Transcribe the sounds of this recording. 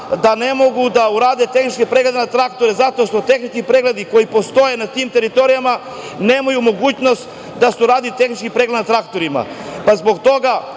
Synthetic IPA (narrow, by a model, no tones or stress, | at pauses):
d̪ane̞mo̞ɡud̪auɾaːd̪et̪e̞xnit͡ʃkepɾeɡled̪enat̪ɾakt̪o̞ɾezat̪oʃt̪o̞t̪e̞xnit͡ʃkipɾeɡle̞d̪iko̞jipo̞st̪o̞jenat̪imt̪e̞ɾit̪o̞ɾijama | neːmajumo̞ɡuːt͡ɕno̞st̪ | d̪aseuɾaːd̪ilit̪e̞xnit͡ʃkipɾe̞ɡled̪nat̪ɾakt̪oɾima̰pazbo̞kt̪o̞ɡa